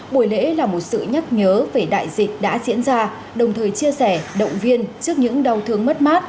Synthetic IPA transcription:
ɓu˧˩əjlḛ˧˥laː˨˩mo˨˩t̚sɨ̰˧˨ɲa˦˥k̚ɲəː˨˦ve˨˩ɗa̰ː˧˨jzï˨˩k̟̚ɗa̰ː˧˥zḭ˧˥ənzaː˧ | ɗə˨˩wŋ͡mt̪ʰəː˨˩jt͡ɕi˧əsɛ˧˩ɗə̰˧˨wŋ͡mvi˧ənt͡ɕɨ˦˥ək̚ɲɨ̰˧˥ŋɗa˧˩wt̪ʰɨ˧əŋmə˦˥t̚maː˦˥t̚

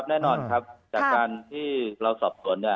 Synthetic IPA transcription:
p̚nɛː˥˩nɔː˧nkʰa˦˥p̚t͡ɕaː˨˩kkːaː˧nt̪ʰiː˥˩ɾa˧wsɔː˨˩p̚su˨˩˦nːi˥˩

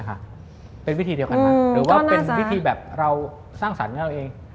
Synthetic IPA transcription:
kʰa̰˦˥˩ | pe˧nwi˦˥t̪ʰiː˧diː˧wka˧nːaː˧˩ɾɯː˩˦waː˥˩˧pe˧nwi˥t̪ʰiː˧bɛː˨˩p̚ɾa˧w | saː˥˩ŋsa̰˩˦nka˧˥a˧wʔeː˧ŋ

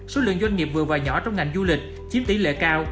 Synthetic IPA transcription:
so˨˦lɨ̰˧˨əŋzwa˧jŋ̟ŋi˨˩p̚vɨ˨˩əvaː˨˩wɲɔ̰˧˩t͡ɕɔ˧wŋ͡mŋa˨˩jŋ̟zu˧lï˨˩k̟̚ | t͡ɕi˦˥əp̚ɗ̪i˨˦lḛ˧˥kaː˧w

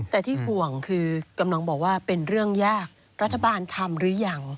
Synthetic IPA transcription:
t̪ɛː˨˩t̪ʰiː˥˩ɦu˨˩əŋkʰɯː˧ka˧mla˧ŋbɔː˨˩k̚waː˥˩pe˧nɾɯ˥˩əŋjaː˥˩k̚ | ɾa˦˥t̪ʰːa˧baː˧nt̪ʰa˧mɾɯː˩˦˥ja˧˩ŋ

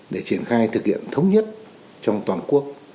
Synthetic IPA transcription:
ɗe˧˩t͡ɕi˧˩ənxaː˧jt̪ʰɨ˨˩k̚hḭ˧˨ənt̪ʰə˨˦wŋ͡mɲə˦˥t̚ | t͡ɕɔ˧wŋ͡mt̪waː˨˩nku˦˥ək̚

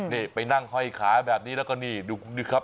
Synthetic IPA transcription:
ni˧˩pa˧jna˥˩ŋhɔ˧˥˩jkʰaː˩˦bɛː˨˩p̚niː˦˥lɛ˦˥wkɔː˥˩niː˥˩duː˧kʰu˧ndi˦˧˩kʰa˦˥p̚

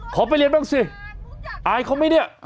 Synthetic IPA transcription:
kʰɔː˨˦pa˧jli˧ənbaː˧˥˩ŋsi˧˩ | ʔa˧jkʰɔ˧˦ma˧˥˩jni˥˩ə

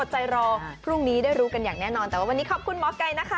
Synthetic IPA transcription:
o˨˩t̪̚t͡ɕa˧jɾɔː˧pʰɾu˥˩ŋniː˦˥daː˥˩jɾuː˦˥ka˧njaː˨˩ŋnɛː˥˩nɔː˧nt̪ɛ˨˩wa˥wa˧niː˦˥kʰɔ˨˩p̚kʰu˧nmɔː˦˥kːa˧jna˦˥kʰa˦˥˩

